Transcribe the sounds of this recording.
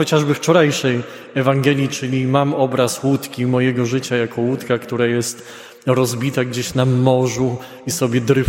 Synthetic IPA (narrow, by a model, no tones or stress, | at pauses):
ɔt͡ɕaʐbɘft͡ʂɔɾajʂɛj | ɛvaŋɡɛlʲjit͡ʂɘlʲimamɔbɾaswut̪kʲimɔjɛɡɔʐɘt͡ɕajakɔwut̪kakt̪uɾajɛst̪ | ɾɔzbʲit̪aɡd͡ʑeɕnamːɔʐu | isɔbʲjɛd̪ɾɘ